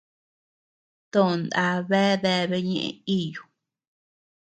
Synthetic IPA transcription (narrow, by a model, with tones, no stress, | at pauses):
t̪õ˦˨nd̪a˧˦βe˦ðe˧βe˧˦ɲḛ̃˧ʔḛ̃˧i˦ju˨